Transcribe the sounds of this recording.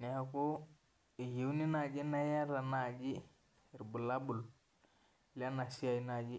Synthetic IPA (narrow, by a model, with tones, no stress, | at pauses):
ne˨a˨ku˦ | i˨ji˨wni˦na˨d͡ʒi˦na˦ja˦ɾa˨na˨d͡ʒi˦˨ | ɾbu˨la˦bu˨l | la˦na˨si˦a˨i˨˦na˨d͡ʒi˦